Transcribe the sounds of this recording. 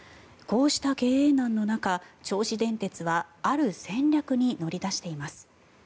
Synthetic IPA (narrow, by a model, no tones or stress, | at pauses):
ko̞ːɕi̥t̪ake̞ːeːnãnːo̞nakat͡ɕo̞ːɕid̪ẽ̞nt̪e̞t͡sɨβaaɾɯ̟sẽ̞ɲʲɾʲakɯ̟ɲ̟ino̞ɾʲid̪aɕi̥t̪e̞imasɨ̥